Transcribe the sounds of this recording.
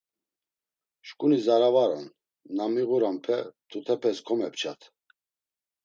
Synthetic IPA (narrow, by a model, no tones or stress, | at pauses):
ʃkʼunizaɾavaɾɔ̰nː | amiɣuɾampʰɛt̪ʰut̪ʰɛpʰɛskʰɔmɛp̚t͡ʃʰat̪ʰ